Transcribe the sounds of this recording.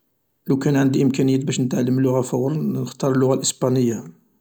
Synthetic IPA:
læwkænʕənd̪iʔəmkænəjːæbæʃnət̪ʕalːəməlːʊɣafæwːɾˤnnəxt̪ɑɾˤəlːʊɣalʔəsbɑnəjːa

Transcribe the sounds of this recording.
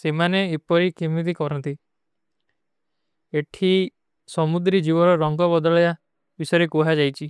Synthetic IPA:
semaneepɔɾikimit̪̬ikɔɾɔnt̪i | eʈʰi | sɔmud̪ɾid͡ʒibɔɾɔɾɔŋɡɔbɔd̪ɔɭɔja | bisɔjɾekuɦad͡ʒajt͡ʃʰi

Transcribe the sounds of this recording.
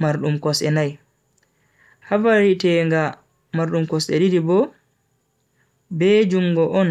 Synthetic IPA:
maɾɗumkɔsɛ̰naj | havaɾitɛːŋɡa | maɾɗumkɔsɛ̰ɗiɾibɔ | bɛd͡ʒuŋɡɔʔɔn

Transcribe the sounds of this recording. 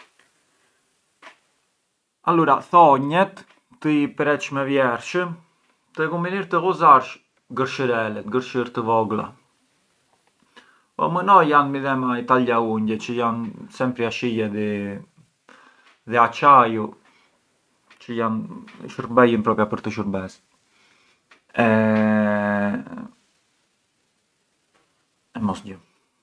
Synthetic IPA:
aluɾaθɔɲɛt̪ː | əipɾɛt̪ʃmɛvjɛɾʃəm | t̪əɛkumbiniɾt̪əɣuzaɾʃ | ɡəɾʃəɾɛlɛt̪ɡəɾʃəɾt̪əvɔɡla̰ | ɔ̰mənɔjjanmiðɛmait̪aliauɲɟɛt͡ʃəjansɛmpɾiaʃijɛðɛ | ðɛat͡ʃaju | t͡ʃəjan̰ʃəɾbɛjənpɾɔpjapəɾt̪əʃəɾbɛs | ɛ | ɛmɔsɟə

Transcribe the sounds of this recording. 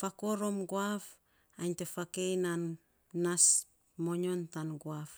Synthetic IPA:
fakoɾo̞mɡoaf | ajɲtefakejnanː | as | moɲo̞ntanɡwaf

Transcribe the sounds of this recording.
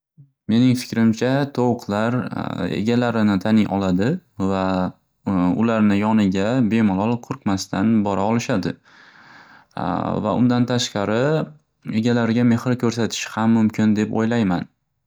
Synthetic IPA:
me̞nɪŋfɪ̥kʲɾɪmt͡ʃʰat̪ʰowqʰlaɾḛɡʲalaɾɪnɪt̪ʰanɪŋʔɒlad̪ɪva | ʊlaɾnɪjɒnɪɡʲabe̞mʊlˠɒlˠqʰʊɾqmast̪ʰanbɒɾaɒlˠɪʃad̪ɪ | va̰ʔʊ̰nd̪ant̪ʰaʃqɑɾɪ | e̞ɡʲalaɾɡʲame̞hɾɪkʲʰɵɾsat̪ʰɪ̥ʃhamːʊmkʰʲɪnd̪e̞po̰jlajman

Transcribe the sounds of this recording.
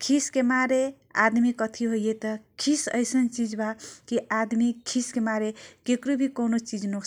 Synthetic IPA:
kʰiskemaɾe | a̰d̪mikʌt̪ʰiɦojet̪ʌkʰisə̰jsənt͡ʃid͡ʒbakiʔad̪mikʰiskemaɾekekɾubʱikonot͡ʃid͡ʒno

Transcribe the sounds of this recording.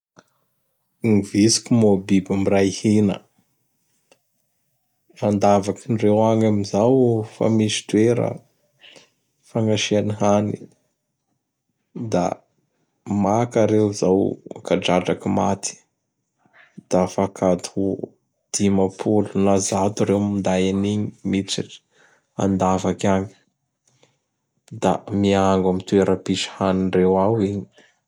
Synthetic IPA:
ŋivisi̥kumobibimiɾajhinə̰ | rand̪avakinrewaŋamizawfa̰misi̥t̪ueɾə̰ | faŋɡaʃianiɦanḭ | d̪a̰ | makaɾewzawkaɖ͡ʐaɖ͡ʐakimat̪i̥ | d̪̥afakʰad̪u | d̪̥imapʰulunazat̪uɾewmind̪ajaniɲimit͡siʈ͡ʂə̥ | a̰nd̪avakaɲi̥ | d̪a̰miaŋɡamit̪ueɾəpiʃə̥hanirewawiɲi̥

